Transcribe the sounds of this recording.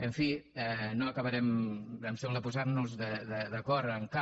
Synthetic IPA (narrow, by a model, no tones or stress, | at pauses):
əɱfiɛnoəkəβəɾɛməmsɛmlðəp̬uzaɾnuzðəðəðəkɔɾəŋka